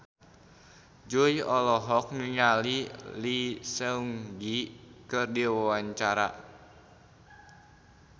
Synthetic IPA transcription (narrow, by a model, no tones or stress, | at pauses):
d͡ʒuiɔlɔɦɔk̚niŋalilisəuŋɡikɨrdiwawaɲt͡ʃaɾa̰